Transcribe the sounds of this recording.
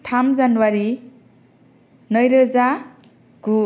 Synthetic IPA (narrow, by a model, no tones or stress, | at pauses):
tʰamd͡ʒanwaɾi | nʌjɾɯza | ɡ̥u